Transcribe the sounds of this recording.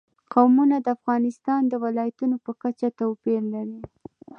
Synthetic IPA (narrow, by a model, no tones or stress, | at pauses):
qawmunad̪əafɣɑnɪst̪ɑnd̪əwɪlɑjat̪unopəkat͡ʃat̪awpiɾlaɾi